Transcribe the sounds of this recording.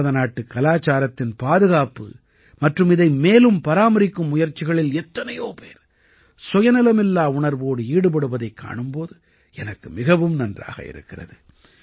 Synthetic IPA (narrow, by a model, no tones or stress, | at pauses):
ɐðɐnaːʈːɯkːɐlaːt͡ʃaːɾɐt̪ːɪnpaːðɯɣaːpɯ̰ | mɐʈrɯmɪðɐɪmeːlɯmpɐɾaːmɐɾɪkːɯmːʊjɐɾt͡ʃːɪɣɐɭɪlɛt̪ːɐnɐjoːpeːɾ | sɔjɐnɪlɐmɛlːaːʊɳɐɾʋoːɽɯiːɽɯpɐɽɯʋɐðɐɪkːa̰ːɳɯmpoːðɯ | ɛnɐkːɯmɪɣɐʋɯmnɐndra̰ːɣɐ̰ɪ̰ɾɯ̰kːɪrɐ̰ðɯ